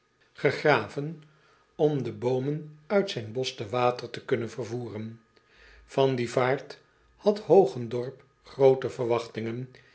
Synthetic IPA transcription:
χəχraːvən | ɔmdəbowmənœɥtsɛjnbɔstəʋaːtəɹtəkɵnənvəɹvuːrən | v̥ɑndivaːɹt | hɑthowχəndɔɹp | χrowtəvəɹʋɑχtɪŋən

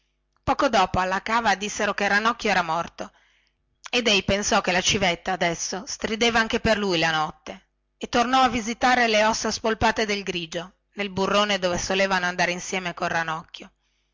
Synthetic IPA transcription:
pɔːkod̪ɔːpoalːakaːvad̪isːeɾokerːanɔkːjoɛːɾamɔrt̪o | ed̪ɛjpensɔk̟ːelat͡ʃivet̪ːaːd̪ɛsːost̪ɾid̪eːvaaŋkeperlujlanɔt̪ːe | et̪ːornɔavːizit̪aːɾeleɔsːaspolpaːt̪ed̪elɡɾiːd͡ʒo | nelburːoːned̪oːvesoleːvanoand̪aːɾeinsjɛːmekolranɔkːjo

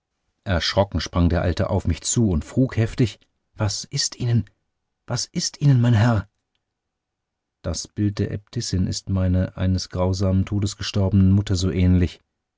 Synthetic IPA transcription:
ʔɛɐʃʁ̥ɔkŋ̩ʃpʁ̥aŋdeːɐʔa̰ltə̰ʔa̰ʊfmɪçt͡suːʊntfʁ̥uːkhɛftɪç | v̥asʔɪstʔiːnən | v̥asʔɪstʔiːnənmaɪnɦɛɐ | d̥asb̥ɪlt̚d̥eːɐʔɛ̰p̚tʰɪsɪnɪ̰stmaɪnɐʔa̰ɪnəsɡ̥ʁaʊzaːməntʰoːdəsɡ̥əʃtɔɐbənənmʊtɐzoːʔɛːnlɪç

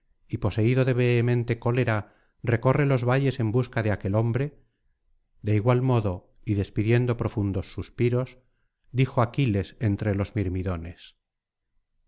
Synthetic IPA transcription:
ipo̞se̞iðo̞ðe̞β̞eːmẽ̞nt̪e̞ko̞le̞ɾa | re̞ko̞re̞lo̞zβaʝe̞se̞mbuskaðeake̞lo̞mbɾe | d̪e̞iɣwalmo̞ðo̞ | iðe̞spiðje̞nd̪o̞pɾo̞fund̪o̞sːuspiɾo̞z | d̪ixoakile̞se̞nt̪ɾe̞lo̞zmiɾmiðo̞ne̞s

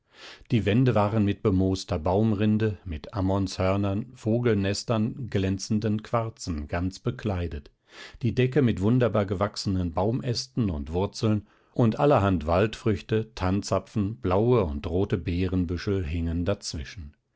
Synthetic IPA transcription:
d̥iːvɛndəvaːʁənmɪt̚b̥əmoːstɐbaʊmʁɪndəmɪtʔamɔnshœɐnɐnfoːɡl̩nɛstɐnɡlɛnt͡sn̩dənkv̥aɐt͡sn̩ɡ̥ant͡sb̥əkʰlaɪdət | d̥iːdɛkəmɪtv̥ʊndɐbaːɐɡəvaksənənbaʊmʔɛstn̩ʊ̰ntv̥ʊɐt͡sl̩n | ʔʊntʔaləɦantv̥altfʁ̥ʏçtətʰant͡sapp͡fn̩b̥laʊəʊntʁoːtəbɛːʁənbʏʃl̩ɦɪŋəndat͡sv̥ɪʃn̩

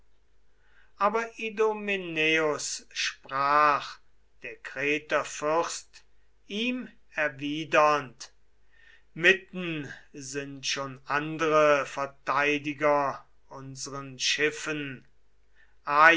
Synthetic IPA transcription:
ʔaːbɐʔidomineʊsʃpʁ̥aːχ | d̥eːɐkʁ̥ɛːtɐfʏʁst | iːm | ɛɐviːdɐnt | mɪtn̩zɪntʃoːnʔandəʁəfɛɐtaɪdɪɡɐ | ʔʊnzəʁənʃɪfən | ʔaː

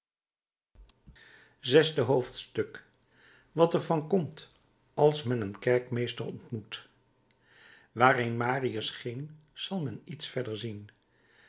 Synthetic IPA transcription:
zɛzdəɦowftstɵk | ʋɑtɛɹvɑnkɔmt | ɑlˠsmɛnənkɛɹkmejstəɹɔntmut | ʋaːrenmaːriəsχɪŋz̥ɑlˠmɛnitsfɛɹdəɹzin

